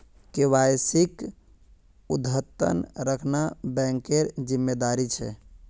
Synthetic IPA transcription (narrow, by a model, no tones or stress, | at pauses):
kewajsik | ud̪ʱɦət̪ːə̰nɾəkʰnabɛ̃ŋkeɾd͡ʒimːed̪aɾit͡ʃʰɛ̰